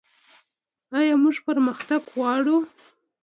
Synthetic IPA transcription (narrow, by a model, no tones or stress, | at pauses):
ɑjɑmuʐpəɾməxt̪aɡwɑɽu